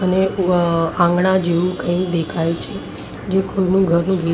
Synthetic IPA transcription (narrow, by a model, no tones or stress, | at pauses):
əne | ãŋɡɽãd͡ʒeũkə̃ĩkd̪ekʰajt͡ʃʰe | d͡ʒekoinũɡʱəɾnũɡʱi